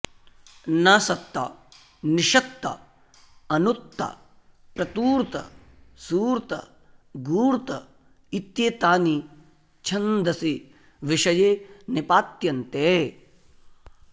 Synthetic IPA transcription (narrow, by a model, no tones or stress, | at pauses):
naːsɐt̪ːa̰ː | niʃɐk̚t̪ːa̰ | ɐnut̪ːa̰ | pɾɐt̪uːɾt̪ɐ̰ | suːɾt̪ɐ̰ | ɡuːɾt̪ɐ̰ | it̪jeːt̪aːni | t͡ʃʰɐnd̪ɐsi | ʋiʃɐjeːnipaːt̪jɐnt̪eː